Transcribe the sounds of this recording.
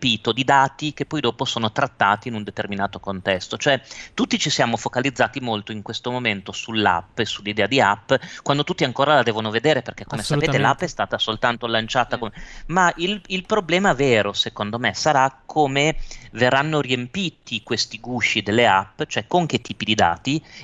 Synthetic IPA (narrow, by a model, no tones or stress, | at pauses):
piːt̪od̪id̪aːt̪ik̟epːɔjd̪oːposoːnot̪ɾat̪ːaːt̪iːnund̪et̪erminaːt̪okont̪ɛst̪ot͡ʃoɛt̪ut̪ːit͡ʃisjaːmofokalid̪zːaːt̪imolt̪oiŋkwest̪omoment̪osulːa̰pːesulːid̪ɛːad̪iapːkwand̪ot̪ut̪ːiaŋkoːɾalad̪ɛːvonoved̪eːɾeperk̟ekːomesappeːt̪elaapːɛst̪aːt̪asolt̪ant̪olant͡ʃaːt̪akomemaililpɾoblɛːmaveːɾosekond̪omesaɾakʰːoːmeverːanːoriempiːt̪ikwest̪iɡuʃid̪elːeapːt͡ʃoɛkːoŋk̟et̪ːiːpid̪id̪a̰ːt̪i